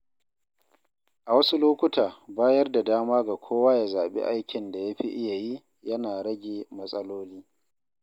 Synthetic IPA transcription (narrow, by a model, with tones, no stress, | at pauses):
ʔa˨wɐ˦su˦loː˦kʷʊ˦tʰaː˨baː˦jɐ˦rda˨daː˦maː˦ɡa˨kʷʰoː˦waː˦ja˨zaː˨ɓḛ˦ʔa˦jkʲɪ˨nda˨ja˦ɸi˦ʔɪ˦ja˨ji˦ | jɐ˦naː˨ɾɐ˦ɡʲeː˨mɐ˦sʼɐ˦loː˦liː˦